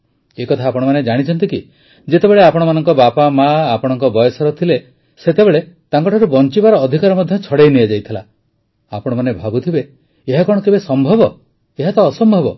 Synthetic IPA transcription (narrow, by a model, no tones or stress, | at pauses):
ekɔt̪ʰaːpɔɽ̃ɔmaned͡ʒaɽ̃it͡ʃʰɔnt̪iki | d͡ʒet̪ebeɭeapɔɽ̃ɔmanɔŋkɔbapamaːpɔɽ̃ɔŋkɔbɔjɔsɔɾɔt̪ʰile | set̪ebeɭe | t̪aŋkɔʈʰaɾubɔnt͡ʃibaɾɔːd̪ʱikaɾɔmɔd̪ʱjɔt͡ʃʰɔɽejniad͡ʒajt̪ʰila̰ | apɔɽ̃ɔmanebʱabut̪ʰibeː | ɦakɔɽ̃ɔkebesɔmbʱɔbɔ | eɦat̪ɔːsɔmbʱɔbɔ